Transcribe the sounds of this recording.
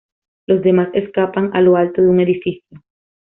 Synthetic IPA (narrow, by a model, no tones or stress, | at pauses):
lo̞zd̪e̞maseskapaŋalo̞alt̪oðeuŋe̞ðifisjo